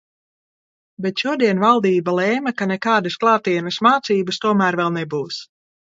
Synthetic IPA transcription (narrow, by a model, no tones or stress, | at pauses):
bɛt̪ʃuɔd̪iɛnvalˠd̪iːbalˠɛːmɐkanɛkaːd̪ɨsklˠɑːt̪iɛnɨsmaːt̪siːbɨst̪uɔmæːɾvɛlˠnɛbuːs